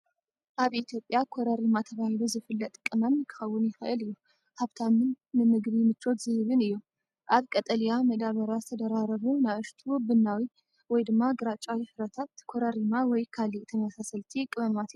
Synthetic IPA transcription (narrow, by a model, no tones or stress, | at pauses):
ʔaβʔit̪ʰjo̞pʼjakʰoɾɐɾimat̪ʰɐβahiluzɨfɨlːɐt̪ʼkʼːɨmɐmkʰɨ̥xɐwːʊnjɪxɨʔɨlɨjːu | haβt̪ʰamɨnːɨmɨɡβimɨt͡ʃʼːo̞t̪zɨhɨβɨnɨjːu | ʔaβkʼɐt̪ʼɐljamɐd̪aβɐɾjazɨt̪ʰɐd̪ɐɾaɾɐβunaβɨʃt̪ʰubɨnːawi | wɔjd̪ɨmːaɡɨɾat͡ʃʼawifɨɾɐt̪ʰat̪kʰoɾɐɾimawɔjkʰaliʔt̪ʰɐmɐsasɐlt̪ʰikʼːɨβɐmat̪